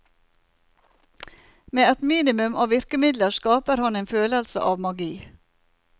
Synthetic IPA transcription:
meːɛt̪miːnɪmʉmɑːʋɪɾkəmɪd̪ləskɑːpəɾhɑneːnføːləlsə̰ʔɑːʋmɑɡiː

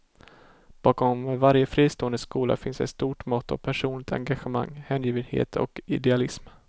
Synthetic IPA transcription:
b̥ɑːkɔmvaɾjəfɾiːst̪oːənd̪əskuːla̰fɪnsd̪ɛ̰t̪st̪uːʈmɔt̪ːɔ̰pʰæʂuːnlɪk̚t̪ʰa̰ŋɡaɧəma̰ŋːhɛːnjiːvənhḛːt̪ʰɔ̰kɪ̰d̪ɛalɪsm

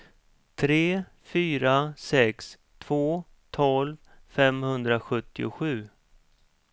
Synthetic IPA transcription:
t̪ʰɾeː | fyːɾasɛks | t̪ʰv̥oː | t̪ʰɔlv | fɛmhɵnd̪ɾaɧɵt̪ːɪʊɧʉ̟ː

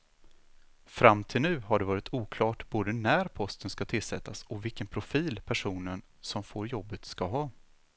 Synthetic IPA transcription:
fɾamːt̪ʰɪlnʉ̟ːɦaɖɛvɑːɾɪt̪ʰuːkʰlɑːʈboːd̪ənæɾpʰɔst̪ənskat̪ʰɪlsɛt̪ʰːasɔvɪlkənpʰɾʊfiːlpʰæʂuːnən | sɔmfoːɾjɔbːət̪skaɦɑː

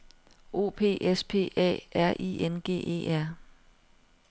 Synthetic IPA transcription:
o̝̰ːpʰe̝̰ːʔespʰe̝̰ːɛ̰ːʔæɐ̰ʔḭenɡ̥e̝̰ːʔe̝̰ːæɐ̰

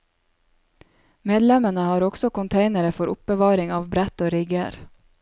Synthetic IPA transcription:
meːd̪lɛmənəhɑːɾɔɡ̥sɔkʊnt̪ʰeɪnəɾəfɔɾʔʊ̰p̚bəʋɑːɾɪŋɑːʋbɾæt̪oːɾɪɡəɾ

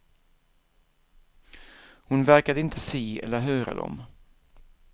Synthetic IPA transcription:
hʊnvæɾkad̪əɪnt̪ʰəsiːɛ̰lːəɾɦœːɾa̰d̪ɔ̰m

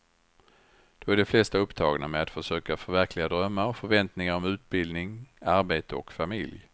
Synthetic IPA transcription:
d̪̥ɔæɖɛflɛst̪aɵpːt̪ʰɑːɡna̰mɛat̪fœʂøːkafœɾvæɾkʰlɪɡad̪ɾœmːaɾɔfœɾvɛnt̪nɪŋaɾɔmʉ̟ːt̪̚bɪld̪nɪŋaɾbeːt̪əɔkfamɪlj

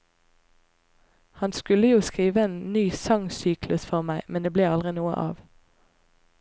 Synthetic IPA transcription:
hɑnskʉləjuːskʁiːʋəeːnnyːsɑŋsyːklʉsfɔʁmæɪmɛnd̪eːbleːɑlʁɪnuːə̰ʔɑ̰ːʋ

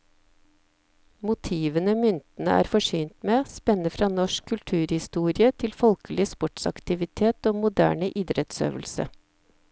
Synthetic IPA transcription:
mʊt̪ʰiːʋənəmʏnt̪n̩ə̰ʔæ̰ːɾfɔʂyːnt̪meːspɛnəfɾɑːnɔʃkʰːʉlʈ̪ʰʉːɾhɪst̪uːɾɪət̪ʰɪlfɔlkəlɪəspɔʈsɑ̰kt̪ɪʋɪt̪ʰeːt̪oːmʊd̪æ̰ːɳəʔɪd̪ɾɛt̪sø̰ːʋəlsə̰

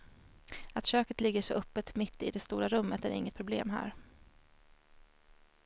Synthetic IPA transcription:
at̪ɕøːkət̪lɪɡːəʂɔʔɵpːət̪mɪt̪ʰːɪ̰d̪ɛst̪uːɾaɾɵmːət̪æ̰ɾɪ̰ŋːət̪pʰɾʊblḛːmɦæ̰ːɾ

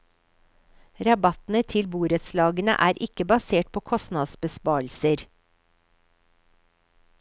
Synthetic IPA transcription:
ɾɑbɑt̪n̩ət̪ʰɪlbuːɾət̪slɑːɡənə̰ʔæːɾʔɪkəbɑseːʈ̚pʰoːkʰɔsnɑd̪sbəspɑːɭ̩səɾ

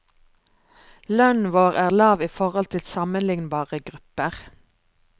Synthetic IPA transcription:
lœnʋoːʁæːʁlɑːʋiːfɔʁɔlt̪ʰɪlsɑmənlɪŋnbɑːʁəɡʁʉpəʁ

